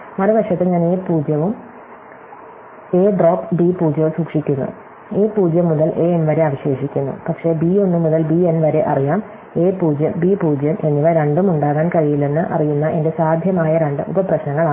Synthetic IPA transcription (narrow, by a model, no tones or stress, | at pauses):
mɐɾɐbɐʂɐt̪ːeɲaːneːpuːd͡ʑjɐʋum | e̞ːɖro̞ːpːbipuːd͡ʑjɐʋsuːkʂikʲːunːṵ | eːpuːd͡ʑjɐmːuðɐlʔe̞ːenʋɐɾe̞ɐaːʋiɕe̞ːʂikʲːunːṵpɐkʂe̞bio̞nːɨmuðɐlbienʋɐɾe̞ʔɐ̰rijaːm | e̞ːpuːd͡ʑjɐmbiːpuːd͡ʑjɐmʔe̞nːiʋɐɾeɳɖumuɳɖaːɣaːnkɐɻijilːe̞nːɨʔɐ̰rijunːɐʔe̞nde̞saːd̪ʱjɐmaːjɐɾɐɳɖɨ̰ṵbɐprɐɕnɐŋːɐɭa